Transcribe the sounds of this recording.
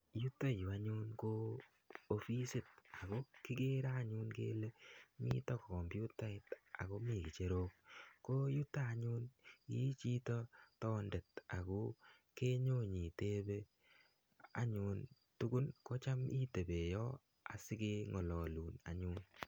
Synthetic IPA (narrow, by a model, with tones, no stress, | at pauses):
ju˦ta˦ju˨a˦ɲu˦nko˦ | o˨fi˦si˨t̚a˨ko˦ki˦ke˦ɾaː˦ɲu˦nkḛː˦le˦mḭ˦tɔ˦kkɔ˨mpju˦ta˦ɪ˨ta̰˨ko˦mi˨ki˨t͡ʃe˦ɾo˦k̚ko˦ju˦tːaː˦˨ɲu˦nki˦t͡ʃi˦tɔ˦tɔ˦nde˨ta˨ko˦ | ke˦ɲo˦ɲi˨te˦be˦ | a̰˨ɲu˧n | tu˦ɡu˦nkɔ˦t͡ʃa˦mi˦te˨be˨jɔ˦ | a̰˨sɪ˦ke˦ŋɔ˨lɔ˨luː˨na̰˨ɲuːn